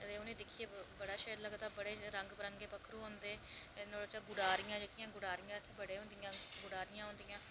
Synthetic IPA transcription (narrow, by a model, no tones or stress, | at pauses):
ət̪eːʊnẽːd̪ɪkʰieːbəɽaːʃəːɾləɡd̪aːbəɽeːɾəŋɡpəɾəŋɡeːpəkʰɾũɦõːnd̪eːnoːɽoːt͡ʃaːɡʊɽaːɾɪjãːd͡ʒəkijãːɡʊɽaːɾɪjãːɪt̪ʰːeːbəɽeːɦõːnd̪ijãːɡʊɽaːɾɪjãːɦõːnd̪ijãː